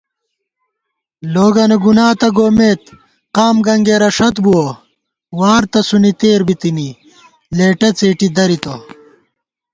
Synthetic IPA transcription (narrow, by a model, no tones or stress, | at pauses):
loːɡɐneɡunaːt̪ɐɡoːmeːt̪ | qaːmɡɐŋɡeːɾɐʂɐt̪buwɐ | waːɾt̪ɐsunit̪eːɾbit̪ini | leːʈɐt͡seːʈid̪ɐɾit̪ɐ